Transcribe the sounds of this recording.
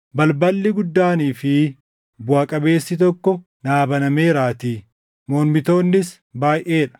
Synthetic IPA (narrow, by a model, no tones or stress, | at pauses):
bɐlbɐlːɪɡʊd̪ːaːniːfɪ | bʊaːkʼɐbe̞ːsːɪt̪̬ɔkːɔ | naːbɐnɐmeːɾaːt̪iː | moːlmɪt̪o̞ːnːɪs | baːjʔe̞ːᶑɐ̥